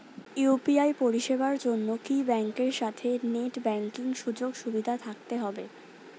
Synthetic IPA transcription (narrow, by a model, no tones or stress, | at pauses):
jupiajpoɾiʃebaɾd͡ʑonːokibɛŋkeɾʃat̪ʰeneʈbɛŋkiŋʃud͡ʑoɡʃubid̪ʱat̪ʰak̚t̪eɦɔbe